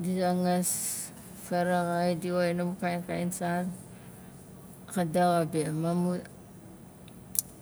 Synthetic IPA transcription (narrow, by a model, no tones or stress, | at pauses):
disaŋas | faɾaɣajdiojnamukajnkainsan | kadaɣabimamu